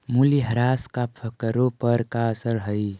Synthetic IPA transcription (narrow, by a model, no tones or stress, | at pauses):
muliɦəɾaskapʰəkəɾopəɾkaəsəɽɦəj